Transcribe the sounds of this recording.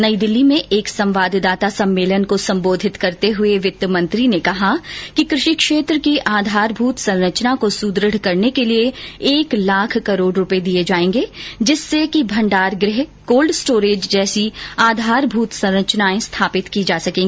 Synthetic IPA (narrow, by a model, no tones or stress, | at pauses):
nɐid̪ɪlːimẽʔeːksɐ̃mʋaːd̪ʱd̪aːt̪asɐ̃mːeːlənkosɐ̃mboːd̪ʱɪt̪kɐɾt̪eɦʊeʋɪt̪ːjəmɐ̃nt̪ɾinekɐɦakikɾɪʃikʃeːt̪ɾəkiʔaːd̪ʱaːɾbʱuːt̪sɐ̃ɾɾət͡ʃnakosuːd̪ɾəɽ̤kɐɾnekelieeːklaːkʰkɐɾoːɖɾʊped̪ied͡ʒaːẽːŋɡed͡ʒɪsːekibʱɐ̃ɳɖaːɾɡɾɪɦkoːlɖsʈoːɾeːd͡ʒd͡ʒɛːsiaːd̪ʱaːɾbʱuːt̪sɐ̃ɾɾət͡ʃnaːẽst̪ʰaːpɪt̪kid͡ʒaːsɐkẽːŋɡi